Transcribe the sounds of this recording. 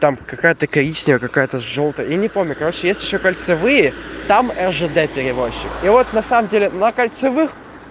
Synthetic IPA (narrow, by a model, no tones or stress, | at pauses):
t̪amkɐkajət̪əkɐɾʲit͡ɕnʲɪjəkɐkajət̪əʐo̞lˠt̪əjəinʲɪpo̞mnʲʊkɐɾo̞t͡ɕɪjesʲtʲɪɕːokəlʲt̪sɨvɨjət̪amɛrʐɨd̪ɛpʲɪɾʲɪvo̞ɕːɪkivo̞t̪nɐsaməmdʲelʲɪnəkəlʲt̪sɨvɨx